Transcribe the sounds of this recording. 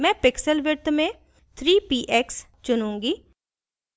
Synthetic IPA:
mɛ̃ːpɪksəlʋɪt̪mẽː | t̪ʰɾiːpiːʔɛːks | t͡ʃʊnũːŋɡiː

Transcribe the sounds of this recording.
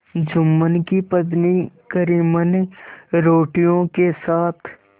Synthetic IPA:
d͡ʒʊmːənkipəd̪nikəɾiːmənɾoːʈijõkesaːt̪ʰ

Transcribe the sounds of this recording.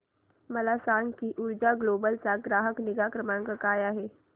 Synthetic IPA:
məlasaːŋkiʔʊɾd͡ʒaɡloːbəlt͡saɡɾaːɦəknɪɡakɾəmanɡəkaːjaɦeː

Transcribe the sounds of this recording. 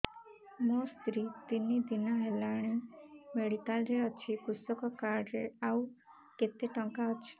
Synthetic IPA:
mɔst̪ɾit̪inːid̪inaɦelaɽ̃imeɽit̪alɾeət͡ʃʰikust̪ɔkɔkaɾɖɾeau | ket̪eʈəŋkaət͡ʃʰi̥

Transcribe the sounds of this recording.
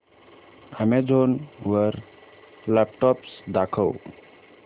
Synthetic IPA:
həmed͡ʒʱonwəɾ | lap̚ʈɔpsd̪akʰəw

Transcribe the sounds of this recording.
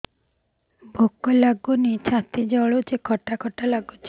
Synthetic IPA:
bʱokːɔlaɡunit͡ʃʰat̪id͡ʒɔɭot͡ʃekʰɔʈakʰɔʈalaɡot͡ʃʰi

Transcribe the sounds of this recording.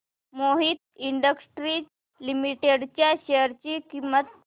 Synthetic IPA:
moɦiːt̪iɳɖəksʈɾi | limiʈeɽt͡ɕjaɕeɾt͡ɕikimət̪̚

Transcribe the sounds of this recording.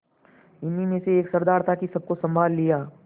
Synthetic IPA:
ɪnimẽseeːksɐɾd̪aːɾt̪ʰakisɐb̚kosɐ̃mbʱaːlːijaː

